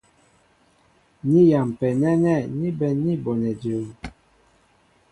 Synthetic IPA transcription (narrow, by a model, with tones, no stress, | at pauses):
ni˦ja˨m˨pɛ˨nɛ˦nɛ˦˨ni˦bɛ˨ni˦bɔ˨nɛ˨di˨